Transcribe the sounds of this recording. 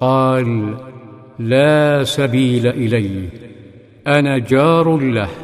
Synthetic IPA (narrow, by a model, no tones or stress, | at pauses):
qɑːl | aːsabiːlaʔɪlaj | ʔanaːd͡ʒɑːɾˤlah